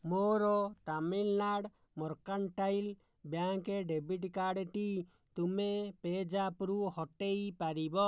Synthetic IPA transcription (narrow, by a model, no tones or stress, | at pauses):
moɾɔt̪amilnaɽ | mɔɾkaɳʈajl | bjaŋkeɖebiʈkaɽʈi | t̪umeped͡ʒapɾuhɔʈejpaɾibɔ